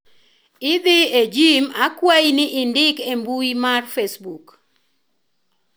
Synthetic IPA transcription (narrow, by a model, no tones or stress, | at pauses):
ɪd̪ɪed͡ʒimakwajnɪʔɪndɪkembuimarfesbuk